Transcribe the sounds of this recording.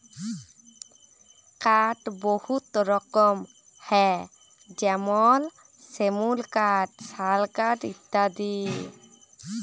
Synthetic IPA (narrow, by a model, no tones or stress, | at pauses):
kaʈbohut̪ɾɔkɔm | hɛ | d͡ʒɛmɔl | semulkaʈsalkaʈit̪ːad̪i